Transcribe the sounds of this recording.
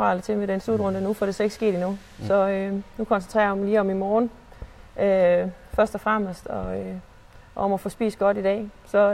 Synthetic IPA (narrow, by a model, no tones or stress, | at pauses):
ʁɑ̰̈lt͡sʰe̝meɾ̥enslud̥ʁɔ̽ndənufɒɾ̥e̝seɡ̥sɡ̥e̝̰ːdinu | sɒ̽ønukʰɒ̽nsent͡sʰʁɛ̰ːɐimiliːɒ̽mimɒːn | ø | fɶɐsd̥ɒfʁam̰əsd̥ɒø | ɒmɒfɒ̽sb̥ḭːsɡ̥ɒ̽ɾ̥id̥ɛ̰ːsɒ̽